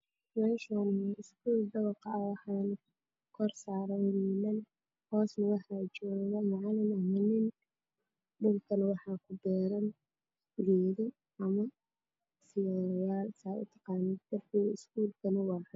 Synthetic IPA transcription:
mɛʃɔnɪskʰuːld̪ɐβɐqɑwɑħɑːn | kʰɔrsaːɾɛnɪlɐn | hɔːsnɐwɑħɑːt͡ʃɔːɣɐmɑʕɑlɪnɐmɐnɪn | ɖʊlkʰɐnwɑħɑːkʰʊbɛːɾɐn | ɣɛːɣɐ | ʔɐmɐ | sɪjaːjaːlsaːʔʊ̰t̪ʰɑ̥qɑːnɪd̪̥ɐrkʰiːɣɐɪskʰuːlkʰɐnɐwɑːħa

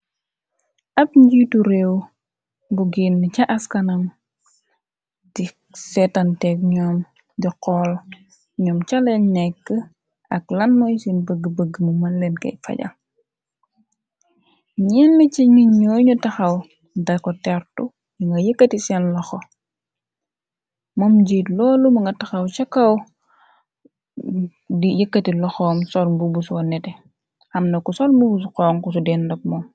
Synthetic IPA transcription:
ʔɐpɲɟituɾew | buɡinːəcɐʔɐskɐnɐm | di | sɛtɐntɛkɲɔːm | diqɔl | ɲɔmt͡ʃɐlɛnnɛkːə | ɐklɐnmɔjsinbəɡəbəɡːəmumɐnlɛnkɐ̰jfɐ̰ɟɐ̰ | ɲɛnːɐciɲiɲɲɔːɲutɐxɐw | dɐkɔtɛrtu | jiŋɡɐjəkːɐtisɛnlɔxo | mɔmɟiːtlɔːlumɐŋɡɐtɐxɐwt͡ʃɐkːɐw | dijəkːɐtilɔxɔːmsɔlbubusɔnːɛtɛ | xɐmnɐkusɔlmbubus̬qɔːŋkus̬udɛːndɐk̚mɔm

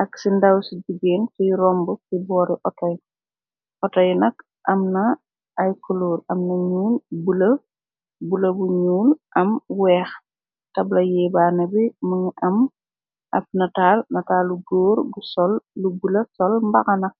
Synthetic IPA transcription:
ʔɐksindɐwsiɟuɡeːntijrɔmbusibɔːɾiʔɔtɔj | ʔɔtɔjnɐk | ʔɐmnɐː | jkuluːɾɐmnɐɲuːlbulɐ | bulɐbuɲuːlʔɐmwɛːx | tɐblɐjɛːbaːnɐbimɐŋiʔɐm | ʔɐf̚nɐtaːlnɐtaːluɡoːɾɡusɔlːubulɐsɔlmbɐkɐnɐk̚

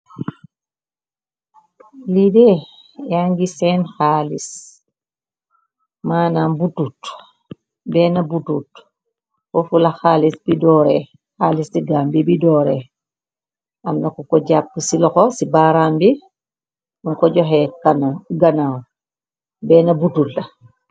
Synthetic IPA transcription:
lidɛ | jaŋɡisɛnxalis | manaːmbutut | bɛːnabutut | fɔfulaxaːlisbidɔɾɛ | xaːlisdiɡaːmbibidɔɾɛ | ʔamnakɔkɔɟapːəsilɔxɔsibaːɾaːmbi | uŋkɔɟɔɦɛkanaɡanaw | bɛːnabutulda

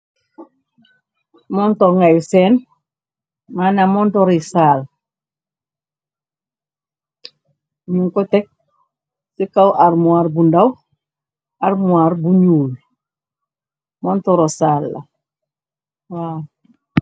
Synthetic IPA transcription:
montoŋajuseːn | manamontoɾisaːl | ɲuŋkotek̚ | sikawʔaɾmuaɾbundaw | aɾmuaɾbuɲuːl | montoɾosalːa̰ | wa

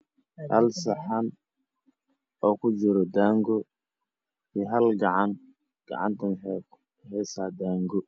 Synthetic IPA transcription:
hɐ̰lsɐħan | ɔːkʰʊd͡ʒɪɾɔd̪aːŋɡɔ | iɦɐlɡɐʕan | ɡ̥ɑ̰ʕɑ̰nt̪ʰɐnɛ | hɛːsaːd̪aːŋɡɔ

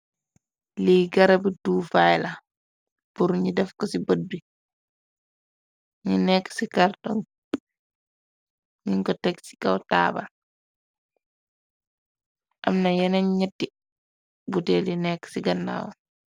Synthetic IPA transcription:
liɡɐɾɐbiduːfajla | puɾɲidɛfkɔsibəd̚bi | ɲinɛkːsikartɔŋ | ɲiŋkɔtɛksi̥kɐwta̰ːba̰l | ʔɐmnɐjɛnɛɲɲɛtːi | butɛlinɛkːsiɡɐnːa̰ːwɔ

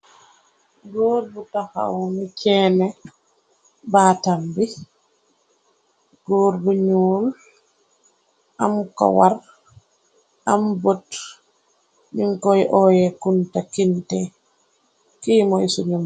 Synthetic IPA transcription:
ɡoɾbutaha̰wmit͡ʃɛːnɛ | baːtambi | ɡ̥oːɾbuɲuːl | ʔamkɔ̰waɾ | ambot | miŋkɔjʔɔjɛkuntakintɛ | kiːmɔjisuɲum

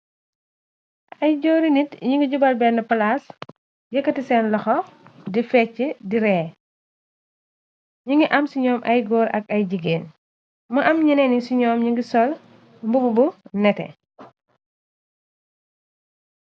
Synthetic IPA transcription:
ɐjɟɔːɾinitɲiŋɡiɟubɐlbɛnɐpɐlaːs | jɐkːɐtisɛnlɐxɔdifɛt͡ʃːədiɾɛ | ɲiŋɡiʔɐmsiɲɔːmʔɐjɡɔːɾɐ̰kɐjd͡ʒiɡeːn | mɐʔɐmɲinɛnisiɲɔːmɲiŋɡisɔl | mbububunɛtɛ̰

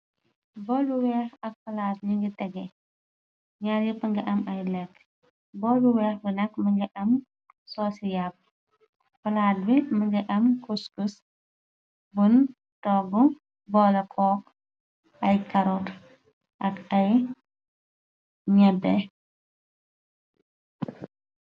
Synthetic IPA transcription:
bɔluwɛːxɐk̚fɐlatɲiŋɡitɛɡɛ | ɲaːɾjipɐŋɡɐʔɐmɐjlɛkː | bɔːluwɛːxbənɐkmɐŋɡɐʔɐm | sɔːsijap̚ː | fɐlaːd̚bimɐŋɡɐʔɐmkuskus | bun | tɔɡu | bɔːlɐkʰɔːk | ʔɐjkɐɾɔt | ʔɐkɐj | ɲɛbɛ

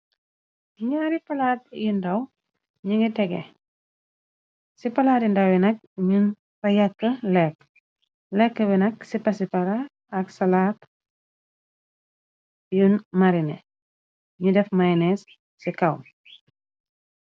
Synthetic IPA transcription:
ɲaɾipɐlaːt̚jundɐw | ɲuŋɡitɛɡɛ̰ | sipɐlaːtindɐwjinɐk̚ | ɲun | pɐjɐkːəlɛk | lɛkːəbinɐksipɐsipɐɾaː | ksɐlaːt | junmaɾinɛ̰ | ɲudɛfmajnɛsː | ikaw̰m

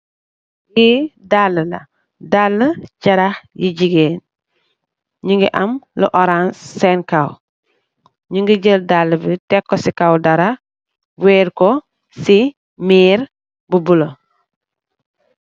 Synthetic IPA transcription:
jidalːəlɐ̰ | dalːəcɐɾaxjiɟiɡeːn | ɲiŋɡiʔɐmlə̰ʔɔɾanssɛnkaw | ɲiŋɡəɟəldalːəbitɛkːɔsikawdɐɾa | bwɛːɾkɔ | si | miːɾ | bubulo

